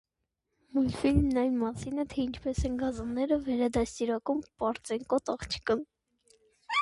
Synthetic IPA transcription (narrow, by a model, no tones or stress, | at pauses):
mujnfilmnɑjnmɑsinɛt̪ʰɛint͡ʃʰpɛsɛnɡɑzɑnːɛɾəvɛɾɑd̪ɑst̪iɾɑkumpɑɾt͡sɛŋkɔt̪ɑχt͡ʃʰə̥kən